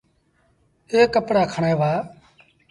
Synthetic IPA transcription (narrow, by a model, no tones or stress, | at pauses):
eːkːəpɽaːkʰəɳẽːʋaː